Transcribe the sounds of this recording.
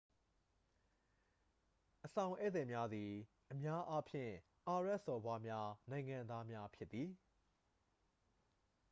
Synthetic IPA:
ʔəsã˨ʊ̃ʔɛ˦˨d̪ɛ˨mja˦d̪i˨ | ʔəmja˦ʔa˦pʰjɪ̰̃˦˨ | ʔa˨ɹɛ˦ʔsɔ˨bwa˦mja˦nã˨ɪ̃ŋã˨nd̪a˦mja˦pʰjɪ˦t̪ːði˨

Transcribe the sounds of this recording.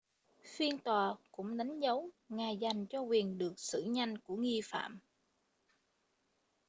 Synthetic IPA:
fi˧ənt̪waː˨˩kʊ̰˧˥ŋ͡mɗa˨˦ŋ̟zə˨˦w | ŋaː˨˩jza˨˩jŋ̟t͡ɕɔ˧kwi˨˩ənɗɨ˨˩ək̚sɨ̰˧˩ɲa˧jŋ̟ku˧˩əŋi˧fa̰ː˧˨m

